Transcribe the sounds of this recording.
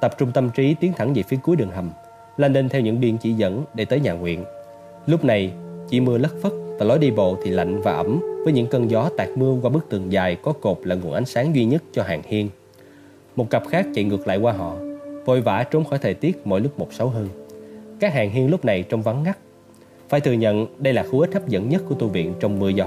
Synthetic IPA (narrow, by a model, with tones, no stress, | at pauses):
t̪ə˨˩p̚t͡ɕʊ˧ŋ͡mt̪ə˧mt͡ɕi˨˦t̪i˨˦ənt̪ʰa˧˩ŋvi˨˩fi˨˦əku˨˦jɗɨ˨˩əŋɦ̪ʰə˨˩m | la˧nle˧nt̪ʰɛ˧wɲɨ̰˧˥ŋɓi˧ənt͡ɕḭ˧˩zə̰˧˥nɗe˧˩t̪əː˨˦jɲaː˨˩ŋwḭ˧˨ən | lʊ˦˥k͡p̚na˨˩jt͡ɕḭ˧˩mɨ˧ələ˦˥t̚fə˦˥t̚vaː˨˩lɔ˨˦jɗi˧ɓo̰˧˨t̪ʰi˨˩la̰˧˨jŋ̟vaː˨˩ʔə˧˩mvəː˨˦jɲɨ̰˧˥ŋkəː˧nzɔ˨˦t̪aː˨˩k̚mɨ˧əkwaː˧ɓɨ˦˥k̚t̪ɨ˨˩əŋzaː˨˩jkɔ˨˦ko˨˩p̚laː˨˩ŋu˨˩ənʔa˨˦jŋ̟saː˨˦ŋzwi˧ɲə˦˥t̚t͡ɕɔ˧ɦaː˨˩ŋhi˧ən | mo˨˩t̚kə˨˩p̚xaː˦˥k̚t͡ɕḭ˧˨ŋɨ˨˩ək̚la̰ː˧˨jkwaː˧ɦɔ̰˧˨vo˧˩jva̰ː˧˩˥t͡ɕo˨˦ŋ͡mxɔ˧˩jt̪ʰəː˨˩t̪i˦˥ət̚mo̰˧˨jlʊ˦˥k͡p̚mo˨˩t̚sə˨˦wɦəː˧nkaː˦˥k̚haː˨˩ŋɦi˧ənlʊ˦˥p̚na˨˩jt͡ɕɔ˧wŋ͡mva˨˦ŋŋa˦˥k̚ | faː˧˩jt̪ʰɨ˨˩əɲə̰˧˨nɗə˧jlaː˨˩xu˧˩ʔi˦˥t̚haː˦˥p̚zə̰˧˥nɲə˦˥t̚ku˧˩ət̪u˧vḭ˧˨ənt͡ɕɔ˧wŋ͡mmɨ˧əzɔ˨˦